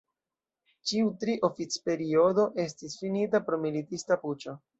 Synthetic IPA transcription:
t͡ʃiutɾiʔo̞fit͡spe̞ɾio̞do̞ʔe̞s̬tisfinitapɾo̞militistaput͡ʃo

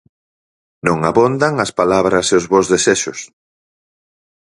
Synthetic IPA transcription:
nõŋaβond̪aŋɐspalaβɾɐseʊzβozðeseʃʊs

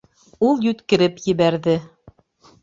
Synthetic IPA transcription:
ulˠjʉt̪kɘ̆ɾɘpjɘ̆βæɾðɘ

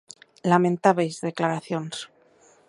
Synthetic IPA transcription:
lamẽnt̪aβejzðe̞klaɾaθjons

